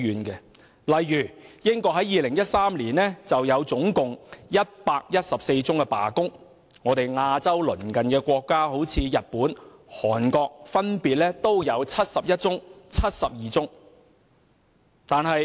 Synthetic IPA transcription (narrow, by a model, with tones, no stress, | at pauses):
yː˨˧nkɛ˧ | lɐ˨jːyː˨˩jɪ˥ŋkɔː˧k̚ɦɐ˨˥jiː˨lɪ˨˩ŋjɐ˥t̚saː˥mliː˨˩nlɛː˥t͡sɐ˨wjɐ˨˧wt͡sʊ˨˥ŋkʊ˨ŋjɐ˥t̚paː˧k̚jɐ˥t̚sɐ˨p̚se˧jt͡sʊ˥ŋkɛ˧pa̰ː˨˩kʊ˥ŋ | ŋɔː˨˧t̪e˨jŋaː˧t͡sɐ˥wlɵ̰˨˩nkɐ˨nkɛː˧kʷɔː˧kːaː˥ho˨˥wt͡sʰiː˨˧jɐ˨t̚puː˨˥n | hɔː˨˩nkɔː˧k̚fɐ˥npiː˨t̚lɛː˥t̪o˥wjɐ˨˧wt͡sʰɐ˥t̚sɐ˨p̚jɐ˥t̚t͡sʊ˥ŋt͡sʰɐ˥t̚sɐ˨p̚jiː˨˩t͡sʊ˥ŋ | t̪aː˨nɦɐ˨j